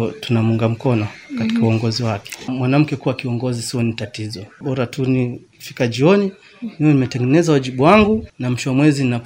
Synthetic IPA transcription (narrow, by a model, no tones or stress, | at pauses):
tunamuŋɡam̩kɔnɔkatikauɔŋɡɔziwakɛ̥mwanam̩kɛkuwakiɔŋɡɔzisiɔnitatizɔɓɔɾatuni | fikaʄiɔni | nɛjɔnimɛtɛŋɡɛnɛzawaʄiɓuwaŋɡunam̩ʃɔwamwɛzinna